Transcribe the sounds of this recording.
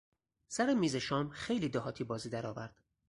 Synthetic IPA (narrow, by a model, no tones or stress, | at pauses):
sæɾemiːzeʃɒːmxe̞jliːd̪ɒhɒːt̪ʰiːbɒːziːd̪æɾɒːvæɾd̪̥